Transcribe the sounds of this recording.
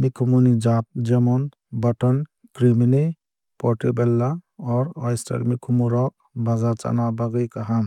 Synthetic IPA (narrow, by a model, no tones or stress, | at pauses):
mikʰumunid͡ʒap̚d͡ʒemɔn | bɔʈɔn | kɾimine | pɔʈebɛlːa | ɔɾɔjsta̰ɾmikʰumuɾɔ | bazaɾt͡ʃa̰nabaɡəjkaɦam